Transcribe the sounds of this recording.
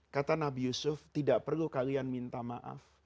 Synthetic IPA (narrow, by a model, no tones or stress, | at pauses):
kat̪anabijusʊft̪idaʔpərlukalianmint̪amaʔa̰f